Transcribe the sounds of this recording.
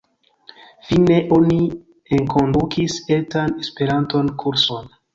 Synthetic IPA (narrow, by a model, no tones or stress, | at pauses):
fine̞ʔo̞ni | eŋkʰo̞ndukisetanespe̞ɾanto̞nkʰuɾso̞n